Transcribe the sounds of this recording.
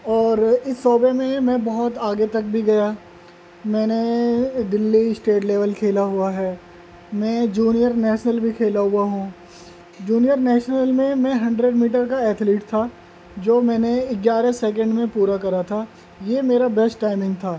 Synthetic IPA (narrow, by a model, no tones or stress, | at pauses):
ɔːɾɪsːɔːbemẽmɛ̃bɐɦʊt̪aːɡet̪ɐk̚bʱiɡɐjaː | mɛ̃ːned̪ɪlːisʈeːʈleːʋəlkʰeːlaɦʊaɦɛː | mɛ̃d͡ʒuːnijəɾnɛːʃnəlbʱikʰeːlaɦʊaɦũ | d͡ʒuːnijəɾnɛːʃnəlmẽmɛ̃ɦɐ̃ɳɖɾeɖmiːʈ̬əɾkaɛːt̪ʰliːʈt̪ʰaː | d͡ʒoːmɛ̃ːneɪɡjaːɾẽsɛːk̬ə̃ɳɖmẽpuːɾakɐɾat̪ʰaː | jeːmeːɾabɛsʈːaːɪmɪ̃ŋɡt̪ʰaː